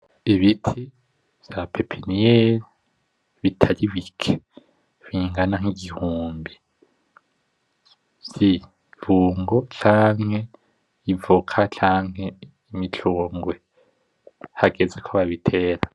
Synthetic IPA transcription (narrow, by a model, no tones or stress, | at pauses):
iβitʰi | z̥japʰepʰinije | βitʰaliβikʰe | βiːŋɡanaŋ̥iɟihuːmbi | z̥i | vuːŋɡot͡ʃaːŋ̥he | ivukʰat͡ʃʰaːŋ̥he | imit͡ɬʰoːŋɡwe | haɡezekʰoβaβitʰeːɾa